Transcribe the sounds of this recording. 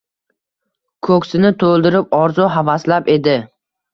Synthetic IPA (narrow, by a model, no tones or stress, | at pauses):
kʰɵkʲsɪnɪt̪ʰolˠd̪ɪɾɪp̚ɒɾzʊɦavaslape̞d̪ɪ